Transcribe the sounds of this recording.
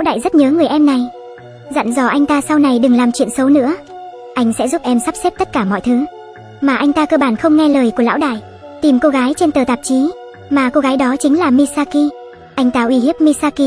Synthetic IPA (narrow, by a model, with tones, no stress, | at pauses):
aː˧˥wɗa̰ː˧˨jzə˦˥t̚ɲəː˨˦ŋɨ˨˩əjʔɛ˧mna˨˩j | za̰˧˨nzɔ˧˩ʔa˧jŋ̟t̪aː˧sa˧wna˨˩jɗɨ˨˩ŋlaː˨˩mt͡ɕwḭ˧˨ənsə˨˦wnɨ̰˧˥ə | ʔa˧jŋ̟sɛ̰˧˥zu˦˥p̚ʔɛ˧msa˦˥p̚se˦˥p̚t̪ə˦˥t̚kaː˧˩mɔ̰˧˨jt̪ʰɨ˨˦ | maː˨˩ʔa˧jŋ̟t̪aː˧kəː˧ɓaː˧˩nxə˧wŋ͡mŋɛ˧ləː˨˩jku˧˩əla̰ː˧˥wɗa̰ː˧˨j | t̪i˨˩mko˧ɣaː˨˦jt͡ɕe˧nt̪əː˨˩t̪aː˨˩p̚t͡ɕi˨˦ | maː˨˩ko˧ɣaː˨˦jɗɔ˨˦t͡ɕï˨˦ŋ̟laː˨˩mi˧saː˧ki˧ | ʔa˧jŋ̟t̪aː˧ʔwi˧˩hi˦˥əp̚mi˧saː˧ki˧